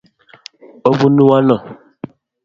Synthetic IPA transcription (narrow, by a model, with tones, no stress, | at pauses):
ɔ˦vu˦nu˦wa˦lɔ˨